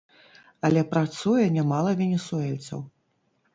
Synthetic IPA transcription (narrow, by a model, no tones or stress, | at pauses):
ɐlʲɛpɾat̪sujɛnʲamalˠɐvʲɛnʲɛsuɛlʲt̪sɐ̰w